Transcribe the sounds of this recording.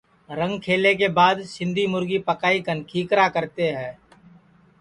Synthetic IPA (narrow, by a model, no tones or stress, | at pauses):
ɾə̃ŋɡkʰeːlek̬ebaːd̪ʃɪ̃nd̪ʱimʊɾɡipəkaːikənkʰiːkɾakəɾt̪eɦɛ̃ː